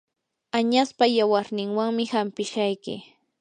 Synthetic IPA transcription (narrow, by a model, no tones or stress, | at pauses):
aɲaspajawaɾnɪŋwaŋmɪhampɪʃajkɪ̰